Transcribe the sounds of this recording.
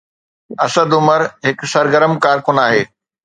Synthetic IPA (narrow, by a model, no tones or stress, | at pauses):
ɐsəd̪ʊməɾɦɪksɐɾɡəɾəmkaːɾkʊnaːɦeː